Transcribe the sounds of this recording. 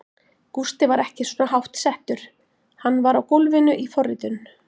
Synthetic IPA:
kust̪ɪvaɾɛhcɪsɔnaɦawht̪sɛht̪ʏɾ̥ | hanːvaɾawkowlvɪnʏʔifɔrːɪ̰t̪ʏn

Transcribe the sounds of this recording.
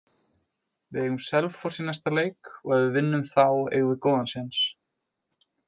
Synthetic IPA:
vɪðɛɣʏmsɛlvfɔɾ̥sinast̪aleːjkɔɣaðɪvɪnːʏmθawḛːɣvɪkɔːwðansɪns

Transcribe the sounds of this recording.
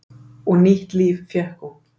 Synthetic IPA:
ɔɣniht̪liːvfjɛhkɔ

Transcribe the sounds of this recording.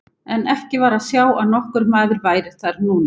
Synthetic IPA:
ɛnɛhcɪvaːɾaðsjaːwʔaðnɔhkʏɾmaːðʏɾvaːjɾɪ̥θaɾnuːna

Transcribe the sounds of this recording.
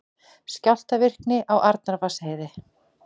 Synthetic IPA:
scawl̥t̪avɪr̥knɪʔawʔaɾt̪naɾvasheːjðɪ

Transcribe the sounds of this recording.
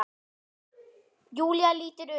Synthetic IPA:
juːljaliːt̪əɾø

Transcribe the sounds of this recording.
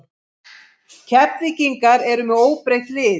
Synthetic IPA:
cʰɛplɪciŋkaɾɛɾʏmɛoːwpɾejht̪lɪː

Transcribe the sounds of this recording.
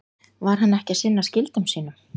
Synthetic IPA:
vaɾ̥hanːɛhcɪasɪnːascɪlt̪ʏmsiːnʏm

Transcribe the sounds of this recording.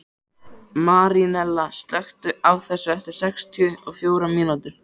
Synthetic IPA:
maːɾinɛlːast̪lœxt̪ʏawθɛsːʏɛft̪ɪɾ̥sɛkst̪ʰiʏɔɣfjoːwɾaminut̪ʏɾ̥

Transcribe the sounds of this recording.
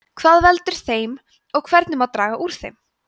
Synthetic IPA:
kʰvaːðvɛlt̪ʏɾ̥θejm | ɔɣkʰvɛɾt̪nɪmaðt̪ɾaːɣaʔuːɾ̥θejm

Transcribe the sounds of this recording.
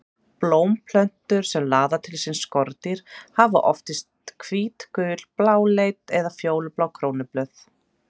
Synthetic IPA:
ploːwmpʰlœn̥t̪ʏɾ̥sɛmlaːðat̪ʰɪlsɪnskɔɾt̪iɾ̥hava̰ʔɔft̪ɪst̪kʰviːt̪kʏːl̥plaːwlejt̪ɛðafjoːwlʏplawkʰɾoːwnɪplœθ

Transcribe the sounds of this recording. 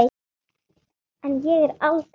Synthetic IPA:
ɛnjɛɣɛɾalt̪

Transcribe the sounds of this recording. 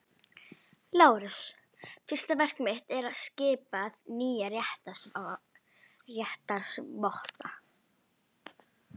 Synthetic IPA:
laːwɾʏs | fɪr̥st̪avɛr̥kmɪht̪ɛɾaðscɪːpaðniːjarjɛht̪ḁsa | rjɛht̪aɾ̥svɔht̪a

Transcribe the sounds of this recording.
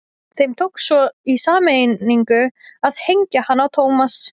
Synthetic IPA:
θejmt̪ʰowksɔisaːmej̪iŋkʏaðhejɲcahanːawt̪ʰoːwmas

